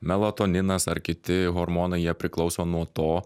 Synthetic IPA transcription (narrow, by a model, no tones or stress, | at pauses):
mʲɛlˠot̪oːnʲɪnɐsɐɾkʲɪt̪ʲɪɣoːɾmoːnɐɪjiɛpʲɾʲɪklˠɒʊsoːnuɔt̪oː